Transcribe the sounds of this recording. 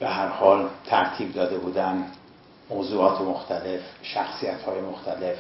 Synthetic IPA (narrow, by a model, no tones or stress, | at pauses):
b̥eɦæɾhɒːlt̪ʰæɾt̪ʰiːb̚d̪ɒːd̪e̞buːd̪æn | moːzuːɒːt̪ʰemoxt̪ʰæle̞fʃæxsijæt̪hɒːjemoxt̪ʰæle̞f